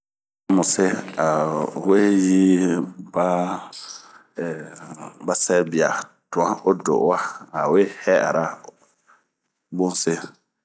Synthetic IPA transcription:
a˦mʊ˨se˦a˨we˦ji˦ba˦˨ | ba˦sɛ˦bi˨a̰˨ | tʊ̃˨ã˦o˦do̰˨wa˦a˨we˦hɛ˦a̰˨ɾa˦ | bʊ̃˦n˦se˦

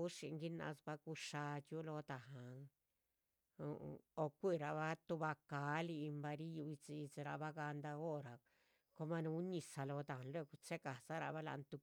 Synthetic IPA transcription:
u˦ʂi˧ŋɡi˦na̰˧sba˧ku˧˦ʂa˧t͡ʃu˦lo˧t̪a˨ɦa˨ŋ | o˧o˧kʷi˦˨ɾa˧βa˦t̪u˧ba˧ka˨˦li˧mba˧ɾi˦ju˧i˧t͡si˧t͡se˧ɾa̰˧ba˦ɡa˧nd̪a˧o˦ɾa˨ | ko˧ma˧nu˧u˦ni˧sa˧lo˧t̪a˨nlwe˦˧ku˧t͡se˦ka˨sa˦ɾa̰˧βa˦la̰˧nt̪u˧

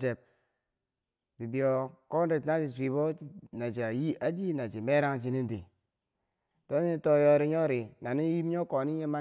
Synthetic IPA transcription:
t͡ʃe˨p̚ | di˨bi˨o˨ko˦nɾe˨ta˦i˨si˨bo˦na˨t͡ʃi˨a˨ji˦a˦d͡ʒi˦na˨t͡ʃi˨me˦ɾa˦ŋt͡ʃ̬i˦ni˦ndi˨ | do˦n˦i˦to˦jo˦ɾi˦ɲo˦ɾi˨na˨ni˦ji˦m˦ɲo˦ko˨ni˦ɲe˦ma˦

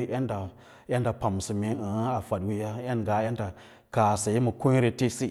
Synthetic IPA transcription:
ʔe˦nda˨ | je˦nda˨pa˨m˨si˨me˨ə˨˦a˨fa˨dwi˦ja˦ja˦nɡa˨˦e˦nda˨ | ka˨sa˨ji˦mu˨ku˦ɲ˦ɾe˨te˦si˦

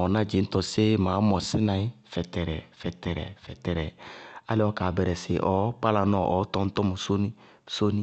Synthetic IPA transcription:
ɔ˨na˦˨d͡ʒe˨˦n̩˦tɔ˨se˦ma˨˦mɔ˨sɪ˦nã˨i˦fɛ˨tɛ˨ɾɛ̰˨fɛ˨tɛ˨ɾɛ̰˨fɛ˨tɛ˨ɾɛ˨a̰˦lɪ˦ɔ˦ka˨bɛ˨ɾɛ˨sɪ̰˨ʔɔ˨˦k͡pa˦la˨nɔ˦˨ʔɔ˨˦tɔ˦n̩˦tɔ˦mu˨so˦ni˦ | so˦ni˦

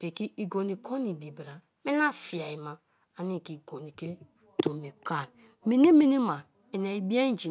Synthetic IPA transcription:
pe˨ki˦ʔi˨ɡo˨ni˨kʰo˦ni˨bi˨bi˨ɾa˨ | me˦na˦fi˨a˨i˨ma˨ | a˨ni˦˨ki˨ɡo˨ni˨ke˦ | to˨mi˨ka˦˨n | mi˨ni˦mi˦ni˦ma˨ | e˨na˨i˨bi˦a˦d͡ʒi˨

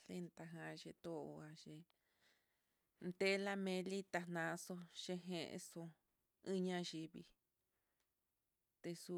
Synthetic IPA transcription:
ɬe˦nt̪a˧ɦã˧ʒe˧t̪o˦o˧a˧ʒe˧ | nt̪e˦la˦mẽ˧li˦t̪a˧nã˧so˧ʃe˧ɦẽ˧ʔso˧ | ĩ˦ɲã˧ʒi˧βi˧ | t̪e˧su˧

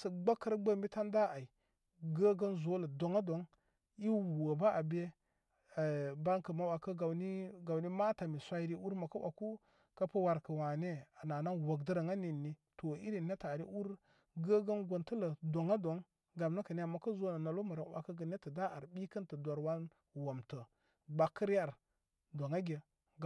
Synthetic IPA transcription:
sə˨ɡ͡ba˦kːə˦ɾɡ͡bə˦m˦bi˦ta˦nda˦a˨i˨ | ɡə˦ɡə˦nzo˦lə˨do˨ŋa˦do˨ŋ | i˦wu˨ə˨ba˦a˨be˦˨ | ba˦ŋkə˨ma˦wa˨kə˦ɡa˨wni˦ɡa˨wni˦ma˦ta˨mi˨sʷa˦i˦ɾi˦ʔu˦ɾma˨kə˦wʔa̰˨ku˦ | ka˦pə˦wa˨ɾkə˨wa˨ne˦a˨na˨na˦nwo˨ɡdə˦ɾa˨ŋa˦ni˨nːi˦to˨ḭ˦ɾi˨ne˦ta˨ɾḭ˦ʔu˦ɾ | ɡə˦ɡə˦nɡʷo˨ntə˦lə˨do˨ŋa˦do˨˦ŋ | ɡa˨mnə˦kə˨ni˦a˨mːa˦kə˦zo˦na˨na˨lo˦mə˨ɾa˨˦wa̰˨kə˦ɡə˨ne˦tə˨da˦a˨ɾɓi˦kə˦ntə˨dʷa˨ɾwa˦n | wa˨mtə˨ | ba˨kːə˦ɾa˦ɾ | do˨ŋa˦ɡʲe˨

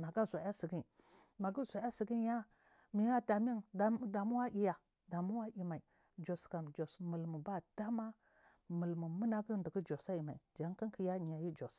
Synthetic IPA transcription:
na˨ɡa˦zʷa˨˦a˦si˨ɡi˦˨ | ma˨ɡi˦zʷa˨ja˦si˨ɡi˦ja˦ | mi˨ja˦da˨mi˦n˨˦da˨mu˦wa˦ʔi˨ja˨ | da˨mu˦wa˦ʔi˨ma˨i˨ | d͡ʒo˨ska˨md͡ʒo˨smə˨lmu˨ba˦da˦ma˦ | mə˨lmu˨mə˦na˦ɡə˦ndə˨ɡi˦d͡ʒo˨sa˦i˨ma˨i˨d͡ʒa˨˦ŋ˦ki˦ŋki˨ja˦˨ɲ˨a˨ji˦d͡ʒo˨s

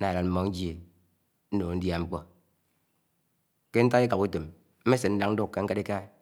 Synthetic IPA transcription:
na˨la˨m̩˦mɔ˦n̩˦d͡ʒe˨ | n̩˦no˨n̩˦dja˦ŋ͡m̩˦k͡pɔ˨ | ke˦n̩˦ta˦i˦ka˨pu˦te˨m | m̩˦me˦se˨n̩˦da˦ŋn̩˦du˦kkːa˨˦ŋ̩˦ka˦ɾi˦ka˦

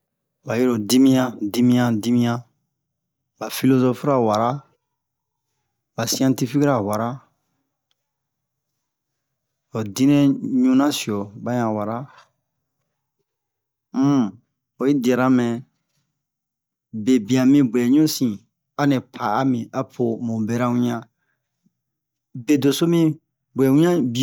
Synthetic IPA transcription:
ba˨ji˦ɾo˨di˦mĩ˦jã˦di˦mĩ˦ã˦di˦mĩ˦ã˦ | ba˨fi˦lo˦zo˦fu˦ɾa˨wa˨ɾa˦ | ba˨si˦ã˦nti˦fi˦ki˦ɾa˨wa˨ɾa˦ | o˨dĩ˦nɛ̃˦ɲũ˦nã˦si˨ɔ˨ba˦ɲã˨wa˨ɾa˦ | m̩˦ | o˨ji˦dɛ˨ɾa˦mɛ̃˨ | be˨bĩ˨ã˨mĩ˦bwɛ˨ɲũ˦sĩ˨ | a˦nɛ̃˨pʰa˨a˦mĩ˨ʔa˨pʰo˨mõ˨bɛ˨ɾa˦wũ˦ɲã˦ | be˨do˨so˦mĩ˦ | bɛ˨wũ˦ɲã˦bi˦˨

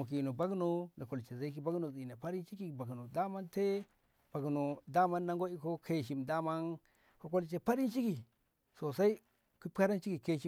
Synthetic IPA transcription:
mu˨k̬i˨no˨ba˦ɡno˦na˨ko˨lt͡ʃe˨za˦i˦ki˦ba˦ɡno˨zi˨na˨pa˦ɾi˦nt͡ʃi˦ki˨ba˨ɡno˨da˦ma˦nte˦ | b̥a˨ɡno˨da˦ma˦nːa˦ŋɡo˦i˦ko˦kʰe˦ʃi˨mda˦ma˦n | ko˦ko˦lt͡ʃe˨pa˦ɾi˦nt͡ʃi˦ki˨ | so˨sa˦i˦ | ku˦pka˦ɾa˦nt͡ʃi˦ki˨ke˦ʃi˦

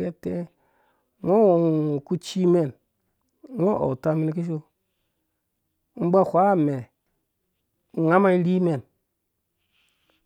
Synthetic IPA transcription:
e˦te˦ | ŋo˦wo˨o˨ku˦t͡ʃi˦me˨n˦ | ŋo˦ʔo̰˨ta˦mi˦ni˦ki˦ʃ̬o˦ | m̩˦ba˦˨hʷa˦˨me˨ | ŋa˦ma˦i˦ɾi˦me˨n

